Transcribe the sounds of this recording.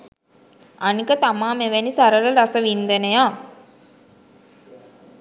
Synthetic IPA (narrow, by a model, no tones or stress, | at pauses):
anikət̪amaːmeʋænisaɾələɾasəʋind̪ənəjaː